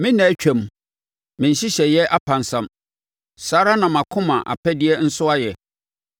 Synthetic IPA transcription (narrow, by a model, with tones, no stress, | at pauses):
mɪ̃˦nã˨˦t͡ɕᶣɛ̃˨m | mɪ̃˨n̩˨ɕi˦ɕɛ˨jɛ˦ʔa˦pʰã˨nsã˨m | saː˦ɾa˦nã˨mã˨kʰʊ̃˦mã˨ʔa̰˨pʰɛ˦dɪ˦ɛ˦n̩˦sʊ˦a˦jɛ˨